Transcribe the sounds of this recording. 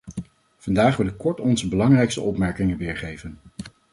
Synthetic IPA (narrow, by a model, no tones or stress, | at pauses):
v̥ɑndaːχʋɪləkɔɹtɔnzəbəlɑŋrɛjkstə̰ʔɔpmɛɹkɪŋənʋɪːɹχejvən